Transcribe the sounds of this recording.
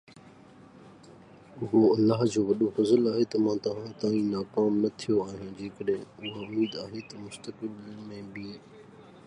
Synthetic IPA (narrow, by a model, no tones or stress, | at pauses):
ʊɦoɐlːaːɦd͡ʑoːʋɐɗofɐzəlaːɦet̪ɐmãːt̪ɐʋ̤ãt̪aːĩnaːkaːmnɐt̪ʰijoaːɦijãːd͡ʑeːkəɗẽʊɦaʊmiːd̪aːɦet̪ɐmʊst̪əkɪlmẽbɪe